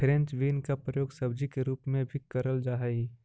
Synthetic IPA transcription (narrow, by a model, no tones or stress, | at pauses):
pʰɾẽnt͡ʃʋiːnkapɾɐjoːɡsɐbd͡ʒikeɾuːpmẽbʱikːəɾəld͡ʒaːɦi